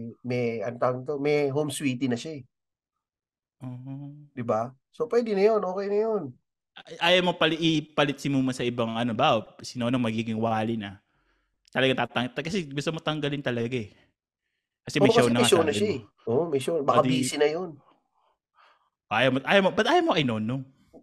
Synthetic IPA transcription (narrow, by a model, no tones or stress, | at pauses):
mɛɐnt̪at̪omɛɦomswiːt̪inɐʃaɛ | ʔoːd̪ɪba | sopwɛːd̪ɪnɐjonʔoːkɛjnɐjon | ʔaːjɐmopɐlipɐlɪt̪̚sɪmumɐsɐʔɪbɐŋʔɐno̞baʔosɪnonoŋmɐɡiːɡɪŋwaːlɪnɐ | t̪ɐlɐɡaŋt̪at̪ɐŋt̪kɐsɛɡust̪omot̪ɐŋɡɐlɪnt̪ɐlɐɡaɛ | kɐsɛmɐʃaʊnɐmŋaʃonɐʃaɛ | ʔoʔomɛʃonbɐkad̪biːsɪnɐjon | ʔaːjɐmoʔaːjɐmobɐt̪ʔaːjɐmoʔɐjno̞ːnoŋ